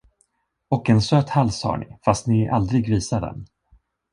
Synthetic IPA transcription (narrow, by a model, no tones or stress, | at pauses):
ɔkɛnsøːt̪halsha̰ɳɪ̰fast̪nɪʔa̰ld̪ɾɪɡviːsad̪ɛ̰n